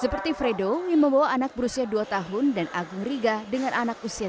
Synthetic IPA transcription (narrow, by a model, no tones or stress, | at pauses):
səpərt̪ifɾedoməmbawaːnak̚bəɾusiaduat̪aɦʊndanʔaɡʊŋriɡadəŋanʔanakusia